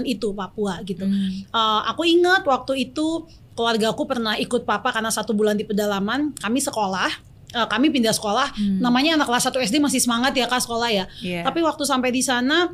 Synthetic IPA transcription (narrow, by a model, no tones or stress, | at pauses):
nit̪upapuaɡit̪uʔəakuiŋat̪̚wak̚t̪uit̪u | kluarɡakupərnaɦikʊt̪̚papakarnasat̪ubulandipədalamankamisəkolah | əkamipindasə̥kolahnamaɲaːnaklasat̪uɛsdemas̬ɪhsəmaŋat̪jakasə̥kolahjat̪apiwak̚t̪usampajdisana